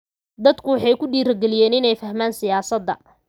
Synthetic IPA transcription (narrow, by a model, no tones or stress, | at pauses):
d̪ɐd̪kʰʊwɑħɑjkʰʊɖiːɾɐɡɛlɪjɛːnɪnɛjfɐhmaːnsɪjaːsɐd̪ːɐ̰